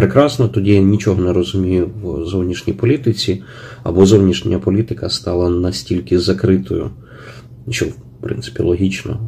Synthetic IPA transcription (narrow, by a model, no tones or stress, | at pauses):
pɾekɾɑsnɔt̪ɔdʲijanʲit͡ʃɔɦɔneɾɔzʊmʲijʊwzɔwnʲiʃnʲijpɔlʲit̪ɪt͡sʲi | ɐ̰bɔzɔwnʲiʃnʲɐpɔlʲit̪ɪkɐst̪ɑlˠɐnɐsʲtʲilʲkɪzɐkɾɪt̪ɔ̰jʊ̰ | t͡ʃɛ̰w | pɾɪ̰nt̪sɪ̥pʲḭlˠɔɦʲit͡ʃnɔ̰